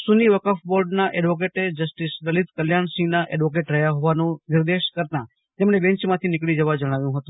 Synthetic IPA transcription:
suniʋəkafboɾɖnaʔɛɖʋok̬eʈed͡ʒəsʈisd̪əlit̪kəljaɳsɪ̃ŋnaʔɛɖʋok̬eʈɾəɦjaɦɔʋanũnɪɾd̪eʃkəɾt̪a | t̪emɳ̃ebɛ̃ɲt͡ʃmãt̪ʰinɪkɭid͡ʒəʋad͡ʒəɽ̃aʋjũɦət̪ũ

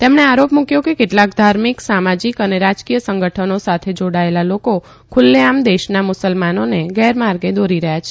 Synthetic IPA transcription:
t̪emɳeaɾopmũkjokekeʈlakd̪ʱaɾmiksamad͡ʒikəneɾad͡ʒkijəsə̃ŋɡəʈʰənosat̪ʰed͡ʒoɽaelaloko | kʰʊlːeamd̪eʃnamʊsəlmanoneɡɛɾmaɾɡed̪oɾiɾəɦjat͡ʃʰe

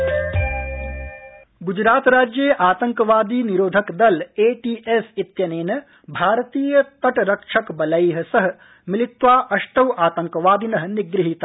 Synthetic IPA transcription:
ɡud͡ʒɾaːt̪ɾaːd͡ʒjeːʔaːt̪ɐŋkɐʋaːd̪iːniɾoːd̪ʱɐkd̪ɐleːʈiːʔesit̪jɐneːnɐ | bʱaːɾɐt̪iːjɐt̪ɐʈɾɐkʂʰɐkbɐlɐjɦɐ̆sɐɦɐ̆ | milit̪ʋaːʔɐʂʈɐwʔaːt̪ɐŋkɐʋaːd̪inɐɦɐ̆niɡɾiɦit̪a

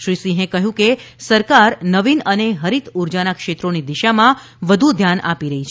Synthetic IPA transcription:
ʃɾisĩɦẽkəɦjũkesəɾkaɾnəʋinəneɦəɾit̪ʰuɾd͡ʒanakʃet̪ɾonid̪iʃamã | ʋəd̪ʱud̪ʱjana̰piɾəɦit͡ʃʰ

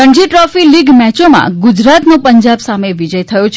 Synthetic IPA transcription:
əɳd͡ʒiʈɾɔfiliɡmɛt͡ʃomã̰ɡʊd͡ʒɾat̪nopəɲd͡ʒabsameʋid͡ʒəjt̪ʰəjõt͡ʃʰ

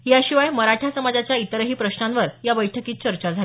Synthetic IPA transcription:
ɦjaɕiʋajməɾaʈʰjasəmad͡zat͡ɕjait̪əɾəɦiːpɾəɕnanʋəɾjabəjʈʰəkiːt̪̚t͡ɕəɾt͡ɕad͡zʱa

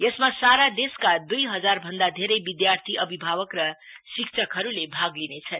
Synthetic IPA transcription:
jʌsmasaɾad̪eskad̪ujɦʌd͡zarbʱʌnd̪ad̪ʱeɾʌjbid̪jart̪ʰiʔʌbʱibʱabʌkrʌ | sikt͡sʰʌkɦʌɾulebʱaɡlinet͡sʰʌn

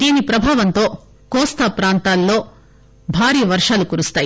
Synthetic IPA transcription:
d̪̥iːnipɾɐbʱaːʋɐnt̪o̞ː | kɔːst̪apɾaːnt̪aːlːo̞ː | bʱaːɾiːɐʋɐɾʂaːlukuːɾust̪aːji

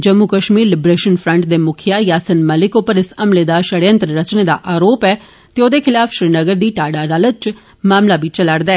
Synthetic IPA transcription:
d͡ʒəmːukəʃmiːɾlɪbɾeːʃənpʰɾəɳʈd̪eːmʊkʰɪjaːjaːsənməlɪkopəɾɪsəmleːd̪aːʃəɽə̃nt̪ɾɾət͡ʃneːd̪a̰ːʔaːɾoːpɛː | t̪eoːd̪eːkʰɪlaːfʃɾiːnəɡəɾd̪iːʈaːɖaːd̪aːlət̪̚t͡ʃ | maːmlaːbʱiːt͡ʃəlaɽd̪aɛː

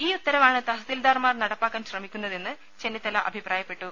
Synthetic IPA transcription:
iːut̪ːɐɾɐʋaːɳɨt̪ɐɦɐsild̪aːrmaːrnɐɽɐpːaːkːaːnɕrɐmikʲːunːɐðe̞nːɨ | t͡ɕe̞nːit̪ːɐlɐʔɐ̰bʱipraːjɐpːe̞ʈːu

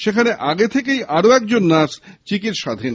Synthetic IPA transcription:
ʃekʰaneʔaɡet̪ʰekejʔaɾoɛk̚d͡ʑonːast͡ɕikit̪ʃad̪ʱin

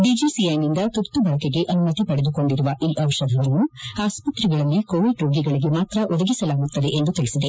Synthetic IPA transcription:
ɖid͡ʒisiɐjnind̪ɐt̪ut̪ːubɐɭɐkeɡe̞ʔɐnumɐt̪ipɐɽed̪uko̞ɳɖiɾuʋɐʔiːʔɐʋɐʃɐd̪ʱɐʋɐnːuaːspɐt̪ɾiɡɐɭɐlːikoːʋiɖɾoːɡiɡɐɭiɡe̞maːt̪ɾɐʔɔd̪ɐɡisɐlaːɡut̪ːɐd̪e̞ʔend̪ut̪iɭisid̪e̞

